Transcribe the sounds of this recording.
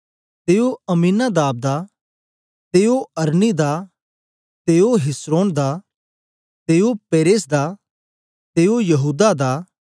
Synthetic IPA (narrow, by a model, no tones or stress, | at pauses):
t̪eːoɐmiːnad̪aːb̚d̪a | t̪eːoɐɾnid̪a | t̪eːoɦɪsɾoːnd̪a | t̪eːopeːɾeːs̬d̪a | t̪eːojɐɦuːd̪ad̪aː